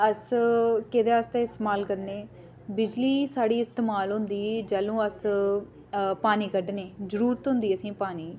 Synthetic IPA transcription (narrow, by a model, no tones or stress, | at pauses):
əskɪd̪eːəst̪ẽːɪst̪maːlkəɾneː | bɪd͡ʒliːsaːɽiːɪst̪eːmaːlɦʊ̃nd̪iːd͡ʒəlõːəs | paːniːkəɖneːd͡ʒəɾuːɾt̪ɦʊ̃nd̪iːəsĩːpaːniː